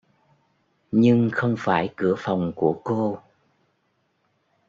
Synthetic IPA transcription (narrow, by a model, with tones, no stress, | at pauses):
ɲɨ˧ŋxə˧wŋ͡mfaː˧˩jkɨ˧˩əfa˨˩wŋ͡mku˧˩əko˧